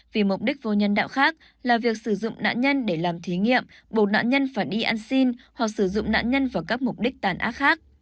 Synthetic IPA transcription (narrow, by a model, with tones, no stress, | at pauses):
vi˨˩mʊ˨˩k͡p̚ɗi˦˥k̟̚vo˧˩ɲə˧nɗa̰ː˧˨wxaː˦˥k̚ | laː˨˩vi˨˩ək̚sɨ˧˩zʊ̰˧˨ŋ͡mna̰ː˧˨nɲə˧nɗe˧˩laː˨˩mt̪ʰi˨˦ŋḭ˧˨əm | ɓo˨˩t̚na̰ː˧˨nɲə˧nfaː˧˩jɗi˧ʔaː˧nsi˧nhwa˨˩k̚sɨ˧˩zʊ̰˧˨ŋ͡mna̰ː˧˨nɲə˧nvaː˨˩wkaː˦˥k̚mʊ˨˩k͡p̚ɗï˦˥k̚t̪aː˨˩nʔa̰ː˦˥t̚xaː˦˥k̚